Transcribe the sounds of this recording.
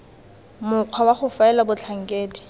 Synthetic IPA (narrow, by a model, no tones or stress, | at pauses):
mʊq͡χʰwawaχʊfaɛlabʊt͡ɬʰaŋ̩kʼeːdi̥